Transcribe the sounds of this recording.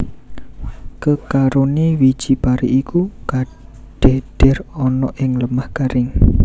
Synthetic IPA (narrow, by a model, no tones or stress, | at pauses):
kəkaɾoniwi̥d͡ʒ̥ipaɾḭʔikuka | ɖ̥e̤ɖ̥ɛ̤rɔnɔʔɪŋləmahkaɾɪŋ